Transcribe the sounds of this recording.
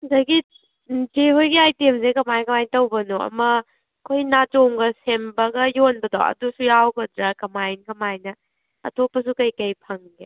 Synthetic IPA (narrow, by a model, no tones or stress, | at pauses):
dɐɡi | d͡ʒeɦojɡiajtiems̬ekɐmajnkɐmajntɐwbɐnuɐ̰mɐ | kʰojnatoŋɡɐsembɐɡɐjonbɐdo̰ɐ̰dusujawɡɐdɾakɐmajnkɐmajnɐ | ɐ̰tʰopːɐs̬ukɐjkɐjpʰɐŋɡe